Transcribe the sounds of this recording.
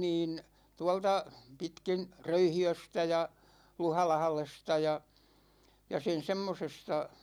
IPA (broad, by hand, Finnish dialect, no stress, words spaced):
niːn tuɑltɑ pitkin røyhiøstæ jɑ luhɑlɑhlestɑ jɑ jɑ sen semːosestɑ